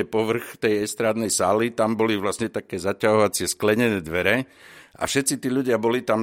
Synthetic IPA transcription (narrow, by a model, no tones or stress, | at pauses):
ɛpɔʋr̩xt̪ɛjɛst̪ɾaːd̪nɛjsaːlit̪ambɔliʋlastɲɛt̪akɛːzacaɦɔʋat͡sɪɛsklɛɲɛnɛːd̪ʋɛɾɛ | ʔa̰fʃɛt̪t͡sit̪iːʎuɟɪabɔlit̪am